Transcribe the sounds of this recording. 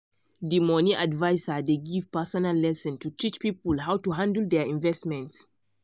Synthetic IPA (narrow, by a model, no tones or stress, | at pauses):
dimɔniʔadvaɪsadeɡiv̥pasɔnalːɛsɔ̃ntutʰit͡ʃpipəlɦawtuɦãndəldɛĩnvɛstmɛ̃nts